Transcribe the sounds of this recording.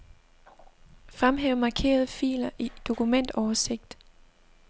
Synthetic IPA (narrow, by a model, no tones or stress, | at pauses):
fʁamɦeːʊmɑ̈kʰe̝̰ːɐð̞ˠfḭːlɐʔid̥o̝kʰumen̰d̥ɒːɐse̝ɡ̥̚d̥